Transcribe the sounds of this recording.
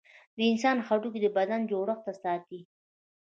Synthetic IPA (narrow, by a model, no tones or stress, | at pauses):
d̪əɪnsɑnxaʈuk̬ed̪əbad̪and͡ʒoɽəxt̪asɑt̪i